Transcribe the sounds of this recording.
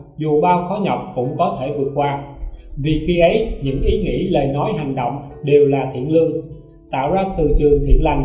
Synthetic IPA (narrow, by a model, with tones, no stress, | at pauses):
zu˨˩ɓaː˧wxɔ˨˦ɲə˨˩wk͡p̚kʊ̰˧˥ŋ͡mkɔ˨˦t̪ʰe˧˩vɨ˨˩ək̚kwaː˧vi˨˩xi˧ʔə˨˦jɲɨ̰˧˥ŋʔi˨˦ŋḭ˧˥ləː˨˩jnɔ˨˦jɦa˨˩jŋ̟ɗo̰˧˨wŋ͡m | ɗe˨˩wlaː˨˩t̪ʰḭ˧˩˨ənlɨ˧əŋ | t̪a̰ː˧˨wzaː˧t̪ɨ˨˩t͡ɕɨ˨˩əŋt̪ʰḭ˧˩ənla˨˩jŋ̟